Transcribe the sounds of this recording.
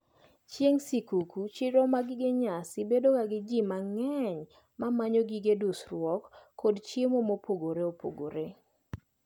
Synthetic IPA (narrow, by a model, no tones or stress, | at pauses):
t͡ʃjeŋsikukut͡ʃɪɾɔmaɡɪɡeɲasɪbedokaɡɪd͡ʒimaŋɛɲ | mamaɲɔɡiɡedusɾwɔkːodt͡ʃemomopoɡoɾeopʰo̰ɡo̰ɾe